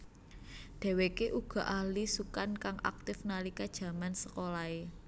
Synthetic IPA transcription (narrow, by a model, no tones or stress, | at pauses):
d̪̥ɛ̤wekeʔuɡ̥ɔ̤ʔahlisukankaŋʔa̰k̚t̪ɪfnalikad̥ʒ̥ä̤mansəkolae